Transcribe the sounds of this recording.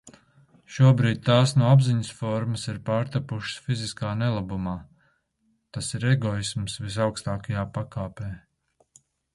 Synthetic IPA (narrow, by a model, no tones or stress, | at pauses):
ʃuɔbɾiːd̪̚ʲt̪aːsnuɔabziɲəsfɔɾməsiɾpaːɾt̪apuʃə̥sfiziskaːnɛlˠabumaː | t̪asiɾɛɡɔismsvis̬awkst̪aːkajaːpakaːpɛː